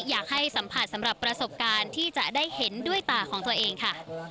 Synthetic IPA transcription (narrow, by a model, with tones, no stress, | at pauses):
jaː˨˩k̚ha˥˩jsa˩˦mpʰa˨t̪̚sa˩˦mɾa˨˩pːɾa˧so˨˩p̚kaː˧nt̪ʰiː˥˩t͡ɕa˨˩ʔdaː˥˩jhe˩˦ndu˥˩əjt̪aː˨˩kʰɔː˩˦ŋt̪u˧ɐʔeː˧ŋkʰa˥˩